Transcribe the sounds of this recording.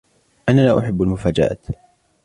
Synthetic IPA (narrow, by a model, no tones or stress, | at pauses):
ʔananaːʔʊħabːalmʊfaːd͡ʒa̰ːt̪